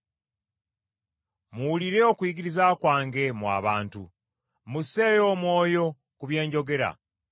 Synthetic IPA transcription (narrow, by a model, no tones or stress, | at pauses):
muːliɾe̞o̞kwiɡiɾizakwaːŋɡe̞mwa̰ːβaːntṵ | muse̞jo̞ːmwo̞ːjo̞ | kuβje̞ːɲɟo̞ɡe̞ɾa̰